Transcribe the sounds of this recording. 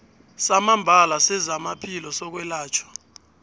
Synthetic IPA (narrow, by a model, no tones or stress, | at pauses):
samambʱalasɛzamapʰilɔsɔk̬wɛlaːt͡ʃʰɔ̥